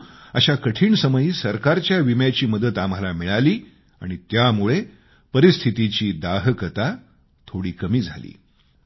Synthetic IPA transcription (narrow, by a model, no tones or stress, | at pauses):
əɕakəʈʰiːɳsəməjiːsəɾkaɾt͡ɕjaʋimjat͡ɕiːməd̪ət̪am̤alamiɭaliː | a̰ɽ̃it̪jamuɭe | pəɾist̪ʰit̪it͡ɕiːd̪aɦkət̪a | t̪ʰoɽiːkəmiːd͡zʱa̰lḭː